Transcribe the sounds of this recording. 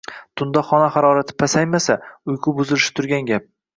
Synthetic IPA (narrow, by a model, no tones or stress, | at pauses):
t̪ʰʊnd̪ɒχɒnaχaɾɒɾat̪ʰɪ̥pʰasajmasaʊjqʰʊbʊzɪlɪʃɪ̥t̪ʰʊɾɡʲanɡʲap̚